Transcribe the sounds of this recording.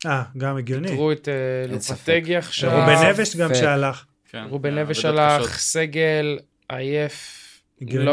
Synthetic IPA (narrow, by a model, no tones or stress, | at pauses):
aɡamiɡjoniʁuet̪eloat̪eɡjaχʃaʁubeneveʃɡamʃealaχ | aʁubeneveʃalaχseɡel | ajef | eɡjo